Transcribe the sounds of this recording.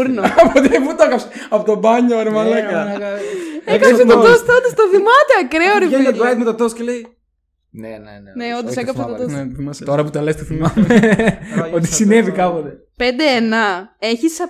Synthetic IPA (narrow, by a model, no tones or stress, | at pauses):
ɾnɐpot̪put̪oekɐpse | ɐpot̪obɐɲoɾimɐleɡɐ | eekɐsset̪oost̪od̪ost̪oθimɐt̪eɐkɾeoɾieɐd̪ɾɐjt̪̚met̪ot̪oscelei | nenneond̪osekɐpset̪ot̪osθimɐst̪oɾɐput̪elest̪oθimɐ | ot̪i̥ssine̞vikɐpot̪e | pend̪eenɐe̞çisɐ